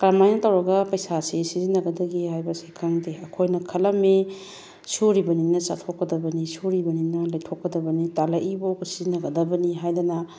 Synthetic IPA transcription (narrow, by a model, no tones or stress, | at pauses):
kaɾmajnɐtɐwɾɐɡɐpɐjsasisizinːɐɡɐdɐɡihajbɐsikʰaŋdeɐkʰojnɐkʰɐlɐme | suɾibɐninɐsa̰tʰokːɐdɐbɐnisuɾibɐninɐlɐjtʰokːɐdɐbɐnitalɐʔiboksizinɐɡɐdɐbɐniɦajdɐnɐ